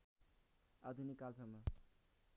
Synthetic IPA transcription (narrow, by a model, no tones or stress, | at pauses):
ad̪ʱunikːalsʌmːʌ